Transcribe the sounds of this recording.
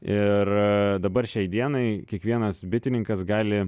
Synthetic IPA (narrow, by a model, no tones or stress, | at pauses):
ɪrd̪ɐbɐrʃʲɛɪd̪ʲiɛnɐɪkʲiɛkʋʲiɛnɐsbʲɪt̪ʲɪnʲɪŋkɐsɡɑːlʲɪ